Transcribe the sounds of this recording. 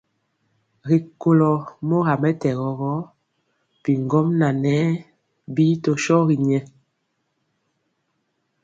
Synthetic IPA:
ɣi˨ko˨lɔ˨mɔ˦ɣa˨mɛ˦tɛ˨ɣɔ˨ɣɔ˦ | pi˨ŋ˨ɡɔ˦mna˨nɛ˨˦ | bi˦tɔ˨ʃɔ˦ɣi˨ɲɛ˦

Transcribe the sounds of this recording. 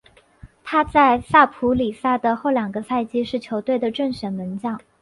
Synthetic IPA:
t̪ʰa˥t͡sa˥˧ɪsa˥˩pʰu˧˥li˨˩sa˥d̪ə˨xo˥˩ʊljɑ˨˩ŋɡə˦sa˥˧ɪt͡ɕi˥ʂɻ̩˥˩t͡ɕʰjo˧˥ʊt̪we˥˩ɪd̪ə˩ʈ͡ʂə˥˩ŋɕɥɛ˨˩nmə˧˥nt͡ɕjɑ˥˩ŋ

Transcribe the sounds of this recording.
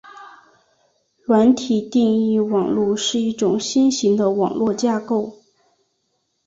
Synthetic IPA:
lwa˧˥nt̪ʰi˨˩t̪i˥˧ŋi˥˩wɑ˨˩ŋlu˥˧ʂɻ̩˥˧i˥˩ʈ͡ʂʊ˨˩ŋɕi˥nɕi˧˥ŋd̪ə˧wɑ˨˩ŋlwɔ˥˧t͡ɕja˥˧ko˥˩ʊ

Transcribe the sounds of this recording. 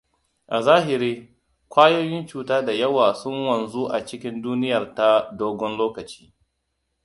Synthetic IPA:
ʔa˨zaː˦ɦɪ˨ɾiː˦ | kʷaː˦joː˦jɪ˦nt͡ʃuː˨taː˦da˨jɐ˦waː˨sʊ˦ŋwɐ˨nzu˦ʔa˨t͡ʃɪ˦kʲɪ˦nduː˦nɪ˦jɐ˨rta˦doː˦ɡʷɔ˦nloː˦kɐ˨t͡ʃi̥ː˦

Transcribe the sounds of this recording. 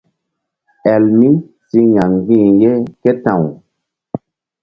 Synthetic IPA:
ɛ˨lmi˦ | si˦ɲa˨ŋ˨ɡĩ˦˨ŋ˦ɡe˦kɛ˦tã˦˨w

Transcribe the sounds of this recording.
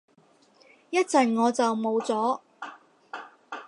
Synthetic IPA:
jɐ˥t̚t͡sɐ˨nŋɔː˨˧t͡sɐ˨wmo˨˧wt͡sɔː˨˥

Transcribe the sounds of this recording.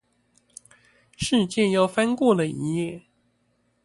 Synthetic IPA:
ʂɻ̩˥˧t͡ɕjɛ˥˧jɑ˥˩ʊfa˥nkwɔ˥˩lə˩i˧˥jɛ˥˩

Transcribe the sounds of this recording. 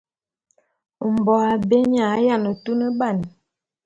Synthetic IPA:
m˨bɔ˨a˨be˦ɲa˨˦ja˦˨nə˨tu˦nə˦ba˦˨n˨

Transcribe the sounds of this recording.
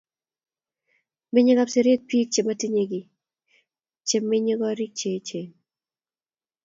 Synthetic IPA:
mɪ˦ɲɪ˦ɡa˦pse˨ɾe˦k̚pi˦k̚t͡ʃe˨ma˦ti˦ɲe˨ɡi˨ | t͡ʃe˨mɪ˦ɲi˦ɡɔ˦ɾi˦k̚t͡ʃe˨˦t͡ʃe˨

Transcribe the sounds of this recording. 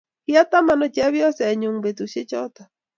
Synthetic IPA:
ki˦a˦ta˦ma˨nɔ˨t͡ʃɛ˦βjɔ˦sɛ˨ɲu˨ŋbe˨tu˨ʃe˦t͡ʃɔ˦ta˨

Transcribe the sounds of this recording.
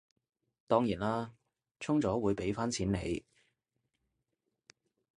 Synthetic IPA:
t̪ɔː˥ŋjiː˨˩naː˥ | t͡sʰʊ˥ŋt͡sɔː˨˥wuː˨˧jpe˨˥jfaː˥nt͡sʰiː˨˥nne˨˧j

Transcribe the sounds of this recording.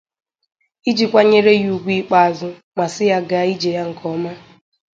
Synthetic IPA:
i˦d͡ʒi˨kʷa˦ɲe˦ɾe˦ju˨ɡʷi˦k͡pa˨a˨zʊ˦ | ma˨sɪ˦ja˦ɡa˦i˦d͡ʒe˨ja˦ŋ̩˨kʰɔ˦ma˦

